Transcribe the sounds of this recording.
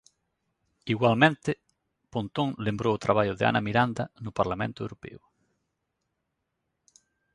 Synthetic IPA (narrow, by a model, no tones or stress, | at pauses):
iɣwalmẽnt̪ɪ | pont̪oŋlembɾoːt̪ɾaβ̞aʎʊðɪa̰namiɾand̪ɐnʊpaɾlamḛ̃nt̪ʊḛwɾopḛʊ